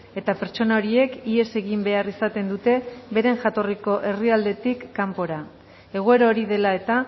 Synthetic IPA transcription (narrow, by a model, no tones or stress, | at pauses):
e̞t̪ape̞ɾt͡ʃo̞nao̞ɾie̞kie̞se̞ɣimbe̞arisat̪e̞nd̪ut̪e̞be̞ɾe̞nʝat̪o̞riko̞ʔe̞riald̪e̞t̪ikːampo̞ɾa | e̞ɣ̞oe̞ɾaoɾiðe̞lae̞t̪a